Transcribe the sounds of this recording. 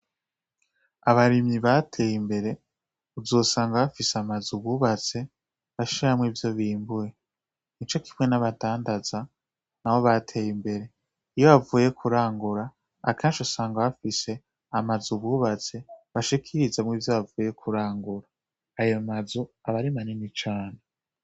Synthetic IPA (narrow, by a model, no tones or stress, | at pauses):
aβaɾimiβatʰe̞ːjimbe̞ɾe̞ | uzoːsaːŋɡaβafiseamazuβuβat͡se̞ | βaʃiɾamŋiːvjo̞βiːmbuje̞ | nit͡ʃo̞kʰimŋe̞naβataːndaza | nawo̞βatʰe̞ːjimbe̞ɾe̞ | ijoβavuːje̞kʰuɾaːŋɡuɾa̰ː | kʰeːnʃusaːŋɡaβafise̞ | amazuβuβat͡se̞βaʃikʰiɾizamŋiːvjoβavuːje̞kʰuɾaːŋɡuɾaː | jomazuaβaɾimaninit͡ʃaːne